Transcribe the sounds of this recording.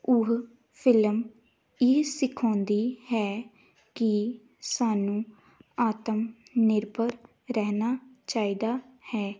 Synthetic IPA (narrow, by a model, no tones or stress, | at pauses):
ʊɦ | pʰɪlm | ɪsɪkʰɔ̃ːnd̪iːhɛː | kɪ | saːnũː | aːt̪əmnɪɾbəɾ | ɾɛɦnaːt͡ʃaːiːd̪aːhɛː